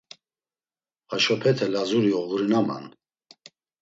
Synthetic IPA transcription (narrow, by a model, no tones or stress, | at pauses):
aʃɔpʰɛt̪ʰɛlazuɾiɔɣɾinama̰n